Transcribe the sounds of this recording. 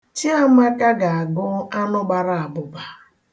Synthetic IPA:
t͡ʃi˦a˦m̩˦a˦ka˦ɡa˨a˨ɡʊ˦a˦nʊ˦ɡ͡ba˨ɾa˨a˨bʊ˨ba˨

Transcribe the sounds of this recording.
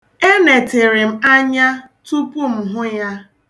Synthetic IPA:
e˦ne˨te˨ɾɪ˨m̩˨a˦ɲa˦ | tu˦pu˦m̩˨ɦʊ˦ja˦

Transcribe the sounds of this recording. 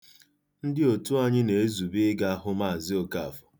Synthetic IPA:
n̩˦dɪ˦o˨tu˦a˦˨ɲɪ˦ne˨e˦zu˨bɪ˦ɡa˦a˦ɦʊ˦ma˦˨zɪ˦o˨ka˦˨a˨fʊ̥˨

